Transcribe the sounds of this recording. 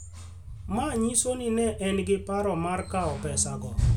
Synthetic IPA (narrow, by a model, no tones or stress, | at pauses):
maɲisoninɛʔɛnɡɪpaɾɔmarkaɔpɛsaɡɔ